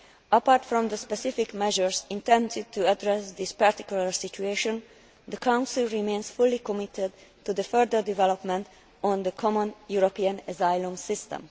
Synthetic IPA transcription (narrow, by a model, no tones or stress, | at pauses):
ʔəpaɹt̪fɹɔ̃md̪əspɛsifikmɛʒəɹsĩnt̪ɛ̃ndɪd̚t̪ʰuadɹɛsd̪ispaɹt̪i̥kjuləɹsit͡ʃueʃɔ̃n | d̪əkʰãw̃nsilˠɹimẽːnsfulːikɔmɪt̪ʰɛd̪tud̪əfɜɹd̪əɹd̪ivɛlopmɛ̃nt̪ | ɔ̃nd̪əkʰɔmə̃njuɾopiə̃nɛzajlə̃msɪst̪ɛ̰̃m